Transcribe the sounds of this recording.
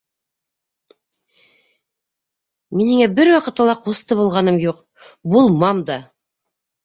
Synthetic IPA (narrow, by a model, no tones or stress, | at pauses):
minɘ̆ŋæbɘɾwɑqɤ̆t̪ːɑlˠɑqust̪ɤβulˠʁɑn̪ɤmjuq | bulˠmɑmd̪ɑ